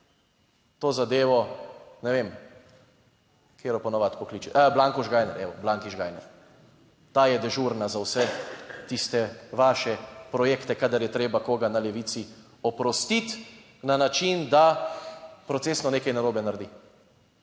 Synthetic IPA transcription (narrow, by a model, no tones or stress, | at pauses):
t̪oːzad̪eːʋɔnɛʋem | kʰeːɾɔpɔnɔʋat̪pɔkliːt͡ʃiablaŋkɔʒɡaːjnɛɾʔɛ̰ʋɔblaŋkiʒɡaːjnɛ̰ɾ | t̪aːjɛd̪ɛʒuɾnazawsɛt̪ist̪ɛʋaːʃɛpɾɔjeːkt̪ɛkad̪ɐɾjɛt̪ɾeːbakoːɡanalɛʋit̪si | ɔpɾɔst̪it̪ | nanat͡ʃind̪a | pɾɔt̪seːsnɔneːkajnaɾoːbɛnaɾd̪i